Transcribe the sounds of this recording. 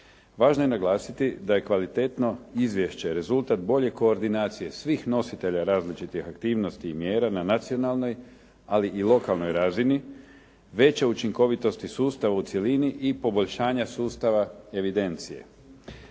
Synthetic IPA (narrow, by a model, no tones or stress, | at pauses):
ʋaːʒnoje̞naɡlˠaːsit̪id̪aje̞kʋalit̪e̞t̪no̞izʋje̞ʃt͡ɕe̞ɾe̞zulˠt̪at̪bo̞ʎe̞ko̞ːɾd̪inaːt̪sije̞sʋiːxno̞sit̪e̞ʎaɾaːzlit͡ʃit̪ixakt̪iːʋno̞st̪iːmje̞ːɾananat̪sio̞nalˠno̞j | aliʔilˠo̞kalˠno̞jɾazini | ʋe̞t͡ɕeut͡ʃiŋko̞ʋit̪o̞st̪isuːst̪aʋaut̪sje̞liniʔipo̞bo̞ʎʃaːɲasuːst̪aʋae̞ʋid̪e̞nt̪sije̞̰